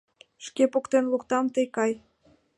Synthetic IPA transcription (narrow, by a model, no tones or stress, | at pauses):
ʃkepokt̪enlukt̪ɑmt̪əjkɑj